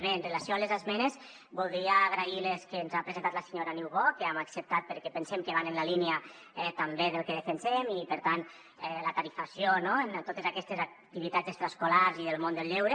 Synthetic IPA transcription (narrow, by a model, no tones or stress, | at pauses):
βeːnrəlasioalezazmɛnez | bulˠd̪ɾiaːɣɾaileskenzapɾezẽnt̪at̪laseɲoɾaniwβokeamaksəp̚t̪at̪̚pəɾkɛpənsɛmkəβanənlaliniə | ɛt̪ambeðəlˠkeðefensɛmipəɾt̪an | ɛlat̪aɾifasjonoent̪ot̪ezakɛst̪ezakt̪iβit̪ad͡zekst̪ɾaskolaɾziðəlˠmond̪əlʎewɾe